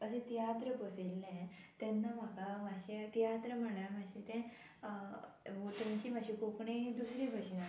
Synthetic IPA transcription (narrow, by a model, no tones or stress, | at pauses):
əsẽt̪ijat̪ɾəbəselːẽt̪ɛnːam̤akamaɕet̪ijat̪ɾəm̤əɽ̃aɾm̤aɕẽt̪ɛ̃ | ot̪ãɲt͡ɕim̤aɕikokɳed̪usɾẽbʱəɕina